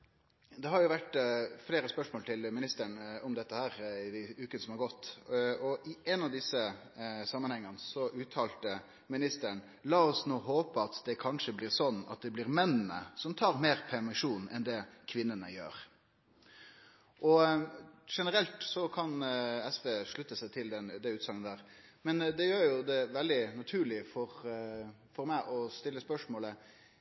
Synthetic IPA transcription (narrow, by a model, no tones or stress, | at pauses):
d̪ɛɦɑɾjʊʋæʈːfleːɾəspœʂmoːlt̪ʰɪlmɪnɪst̪əɳɔmd̪ɛt̪ːəhæːɾɪd̪ɪʉːkənəsɔmhɑɾɡɔt̪ːɔʔɪɛnɑʋd̪ɪsːə | sɑmːənhɛŋːənsɔʔʉːt̪ʰɑːlt̪ə | mɪnɪst̪əɳ | lɑːɔsnoːɦoːpəɑt̪d̪ɛkʰɑnʂəblɪːɾsɔnːɑ̰t̪̚d̪ɛblɪɾmɛnːənə̰sɔmt̪ʰɑːɾmeːɾpʰɛɾmɪʂuːnɛnd̪ɛkʰʋɪnːənəjø̰ːɾ | ʔɔ | ʂɛnəɾɛlt̪sɔkʰɑnɛsʋeːʂɭʉt̪ːəsæɪt̪ʰɪld̪ɛnd̪ɛʉːt̪sɑŋənəd̪æːʁ | mɛnd̪ɛjøːɾjʊd̪ɛʋɛld̪ɪnɑt̪ʰʉːɭɪfɔɾ | fɔɾmæɪʔɔst̪ɪlːəspœʂmoːlə